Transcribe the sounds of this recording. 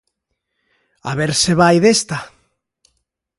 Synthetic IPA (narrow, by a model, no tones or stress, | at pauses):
a̰βeɾseβajðest̪a